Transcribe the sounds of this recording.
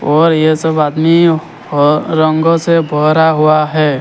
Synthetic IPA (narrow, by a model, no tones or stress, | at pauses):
ɔːɾjesəbaːd̪mi | əŋɡosebʱɔɦɾaɦuaɦɛː